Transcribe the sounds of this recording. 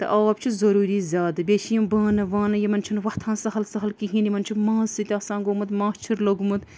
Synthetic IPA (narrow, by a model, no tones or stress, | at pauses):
t̪ɐ̰ʔaːbt͡ʃʰizɐɾuːɾiːzʲaːd̪ɨbʲeːʃʰijimbaːnɐʋaːnɐjimɐnt͡ʃʰunʋɐht̪ʰaːnsɐɦɐlsɐɦɐlkiɦĩːnjimɐnt͡ʃʰimãːsɨt̪ʲɐːsaːnɡoːmɨt̪mãːst͡ʃʰiɾlɐɡmɨt̪